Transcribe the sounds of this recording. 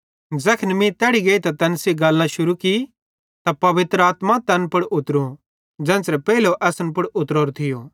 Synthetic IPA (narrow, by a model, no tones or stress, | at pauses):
d͡zɛːkʰnmĩt̪ɛːɽiɡeit̪at̪ɛːnsiɡɐlːãʃʊɾuki | t̪apɐʋɪt̪ɾəaːt̪mat̪ɛːnpʊɽʊt̪ɾũ | d͡zɛ̃ːnsɾɛpɛiloʔɛːsənpʊɽʊt̪ɾoːɾot̪ʰɪjoː